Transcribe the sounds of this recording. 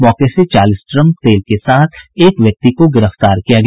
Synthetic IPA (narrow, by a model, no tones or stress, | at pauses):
mɔːkeset͡ʃaːlɪsʈɾə̃mk̚t̪eːlkesaːt̪ʰeːkʋjɐk̚t̪ikoɡɪɾəft̪aːɾkijaɡ